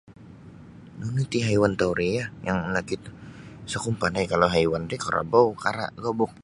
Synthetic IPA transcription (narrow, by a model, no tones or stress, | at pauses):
nunut̪iɦaiwant̪auɾijajaŋlakit̪sakʊmpanajkalawɦaiwanɾikaɾʔa̰baukaɾa̰ɡabʊk̚